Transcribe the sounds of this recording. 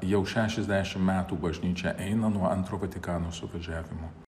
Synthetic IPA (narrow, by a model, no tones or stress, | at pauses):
jɛʊʃʲæːʃʲɛzʲd̪ʲæːʃʲɪmmʲæːt̪uːbɐʒʲnʲiːt͡ʃʲɛʔɛɪnɐnuɔɐnt̪ɾoːʋɐt̪ʲɪkɑːnoːsʊʋɐʒʲæːʋʲɪmoː